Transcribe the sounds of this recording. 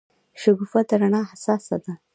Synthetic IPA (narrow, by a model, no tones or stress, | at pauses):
ʃʊɡufad̪aɾaɳɑhasɑsa̰d̪a